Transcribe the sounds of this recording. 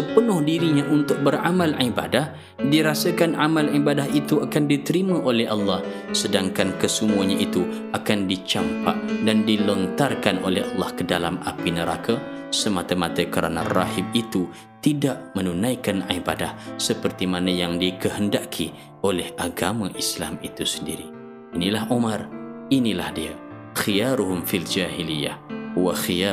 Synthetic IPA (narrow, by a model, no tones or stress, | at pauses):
səpənʊhdiɾiɲaʔunt̪ʊk̚bəramalʕiba̰dah | diɾasakanʔamalʕibadaɦit̪uakandit̪əɾimãʔolɛhʔɑlːɑh | sədaŋkankəsəmuaɲaʔit̪u | akandit͡ʃampa̰ʔdandilɔnt̪arkanʔo̰lɛhɑlːɑhkədala̰ma̰pinəɾa̰ka | səmat̪amat̪akəɾa̰nara̰ɦib̚it̪u | t̪idaʔmənunajkanaibadahsəpərt̪imanajaŋdikəɦəndaʔkʰi | olɛhaɡamaʔisla̰mit̪usəndiɾiː | nilahʔomarinilahdia | xijaɾuɦʊmfild͡ʒaɦilija̰hwaxija